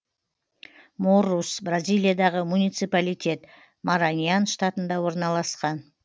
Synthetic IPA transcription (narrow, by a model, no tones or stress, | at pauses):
morusbrazʲijlˠijad̪ɑʁəmunijt̪sɨpalijt̪ʲʰe̞t̪ | maɾanʲijanʃt̪at̪ənd̪ɑwo̞ɾnɑlˠɑsqɑn